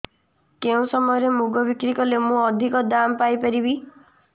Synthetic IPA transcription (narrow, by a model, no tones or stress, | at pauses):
keũsɔmɔjɔɾemuɡɔbikɾikɔlemũɔd̪ʱikɔd̪ampajpaɾibi